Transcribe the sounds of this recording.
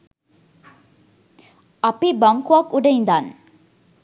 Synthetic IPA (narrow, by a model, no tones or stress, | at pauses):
apibaŋkuʋɐkuɖeind̪an